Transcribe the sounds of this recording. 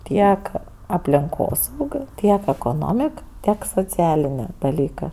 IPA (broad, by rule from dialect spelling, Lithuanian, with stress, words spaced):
ˈtʲiɛk ɐpʲlʲɪŋˈkoːs ˈuːkʲoː ˈtʲiɛk ɛkoːˈnoːmʲɪk ˈtʲiɛk soːt͡sʲɪˈɑːlʲɪnʲeː dɐˈlʲiːkɜ